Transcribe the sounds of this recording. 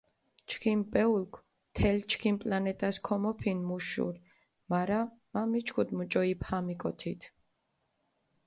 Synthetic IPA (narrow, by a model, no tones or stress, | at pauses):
t͡ʃʰkʰimpʼɛulkʰ | t̪ʰɛlt͡ʃʰkʰimpʼlanɛt̪ʼaskʰɔmɔpʰinmuʃṵɾ | maɾamamit͡ʃʰkʰud̪mut͡ʃʼɔiphamikʼɔt̪ʰit̪ʰ